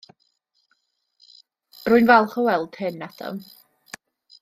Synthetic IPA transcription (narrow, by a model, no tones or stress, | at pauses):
rʊːɨnvɛlˠχɔwɛlˠd̥hɨnːatʰɔ̰m